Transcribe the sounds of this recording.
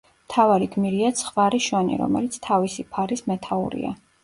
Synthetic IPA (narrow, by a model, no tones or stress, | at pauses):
mmt̪ʰavaɾiɡmiɾiat̪sʰχvaɾiʃanḭɾɔ̰mɛ̰lit̪sʰt̪ʰavisipʰaɾismɛt̪ʰaṵɾḭa̰